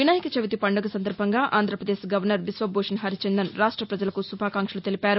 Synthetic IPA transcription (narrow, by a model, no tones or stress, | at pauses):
ʋinaːjikɐt͡ʃɐʋit̪ipɐɳɖɐɡɐsɐnd̪ɐɾbʱɐŋɡaːʔaːnd̪ɾɐpɾɐd̪eːʃɡɐʋɐɾnɐɾʋisʋɐbʱoːʂɐnɦɐɾit͡ʃɛnd̪ɐnɾaːʂʈɾɐpɾɐd͡ʒɐlɐkusubʱaːkaːŋkʂɐlut̪e̞lipaːɾu